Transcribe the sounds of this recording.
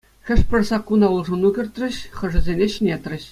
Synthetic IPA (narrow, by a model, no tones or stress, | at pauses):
xʲɘ̆ʂpʲɘ̆rʲsɑkːunɑulˠʐɤ̆nukʲɘ̆rʲt̪rʲɘ̆ɕχɤ̆ʐɘ̆zʲenʲeɕɘnʲet̪rʲɘ̆ɕ